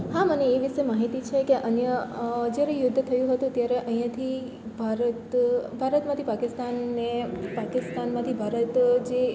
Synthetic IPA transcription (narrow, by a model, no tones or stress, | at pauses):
haməneeʋɪʃemaɦit̪it͡ʃʰekeʔənjəd͡ʒaɾejʊd̪ʱːət̪ʰəjũɦət̪ũt̪jaɾeʔəĩjãt̪ʰi | bʱaɾət̪bʱaɾət̪mãt̪ʰipakɪst̪anːepakɪst̪anmãt̪ʰibʱaɾət̪d͡ʒe